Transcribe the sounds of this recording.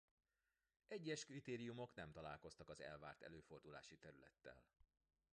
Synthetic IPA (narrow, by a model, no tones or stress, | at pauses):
ɛɟːɛʃkrit̪eːɾijumo̞kn̪ɛmt̪ɒlaːlko̞st̪ɒkɒzɛ̰lvaːrt̪ɛ̰løːfo̞rd̪ula̰ːʃit̪ɛɾylɛt̪ːɛ̰l